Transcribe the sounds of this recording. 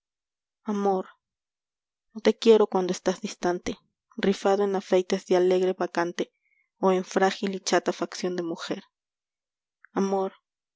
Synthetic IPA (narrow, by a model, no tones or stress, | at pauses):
amoɾ | not̪ekjeɾokwand̪oest̪azd̪ist̪ant̪e | rifaðoenafejt̪ezðealeɣɾeβakant̪e | oeɱfɾaxilit͡ʃat̪afaksjond̪emuxeɾ | amoɾ